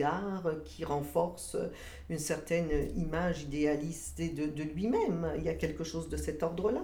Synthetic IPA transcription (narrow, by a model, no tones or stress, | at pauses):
aʁkʲʰiʁɑ̃fɔʁsø̰ | ynsɛʁt̪ɛnimaʒid̪ealist̪ed̪əd̪əlɥimɛmiljakʲɛlkəʃozd̪əsɛt̪ɔʁd̪ʁəla